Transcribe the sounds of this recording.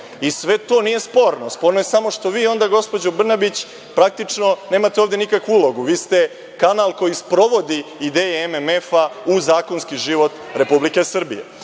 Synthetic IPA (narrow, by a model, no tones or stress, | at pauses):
isʋe̞t̪o̞ːnije̞spo̞ːɾnospo̞ɾnojesamo̞ʂt̪o̞ʋiːo̞nd̪aɡo̞spo̞d͡ʑobr̩nabit͡ɕ | pɾak̚t̪it͡ʂno̞ne̞ːmat̪eoːvd̪e̞nikakʋuulˠo̞ɡuʋiːst̪e̞ | kanalˠko̞jispɾo̞ʋo̞d̪iːd̪eːjeememefauzaːko̞nskiʒiʋo̞t̪ɾe̞publike̞sr̩bḭjḛ